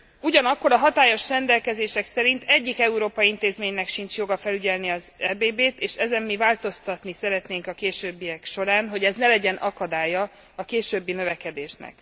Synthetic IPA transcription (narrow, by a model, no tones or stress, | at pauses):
uɟɒnɒkːo̞ɾɒɦɒt̪aːjo̞ʃrɛnd̪ɛlkɛzeːʃɛksɛɾint̪ʰɛɟːikɛuɾoːpɒjiint̪eːzmeːɲnɛkʃint͡ʃjo̞ɡɒfɛlyɟɛlniɒzɛːbeːbeːt̪eːʃɛzɛmːivaːlt̪o̞st̪ɒt̪nisɛɾɛt̪neːŋkɒkeːʃøːbːiɛkʃo̞ɾaːnɦo̞ɟɛznɛlɛɟɛnʔɒkɒd̪aːjɒ | ɒkeːʃøːbːinø̞vɛkɛd̪eːʃnɛ̰k